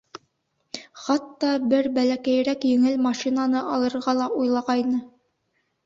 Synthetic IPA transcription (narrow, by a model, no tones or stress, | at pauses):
χɑt̪ːɑbɘɾbælækæj̆ɾækjɘ̆ŋɘlmɑʃinanɤʔɑlˠɤ̆ɾʁɑlˠɑʔujlˠɑʁɑjnɤ